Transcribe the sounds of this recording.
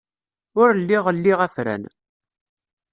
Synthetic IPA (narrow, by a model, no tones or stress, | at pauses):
ʊɾlːiʁəlːiʁæθɾæ̰n